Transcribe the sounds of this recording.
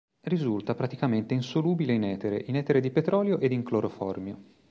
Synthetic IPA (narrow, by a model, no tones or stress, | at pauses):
rizult̪apɾat̪ikament̪einsoluːbileinɛːt̪eɾḛʔinɛt̪eɾed̪ipet̪ɾɔːljoʔed̪iŋkloɾofɔ̰rmjo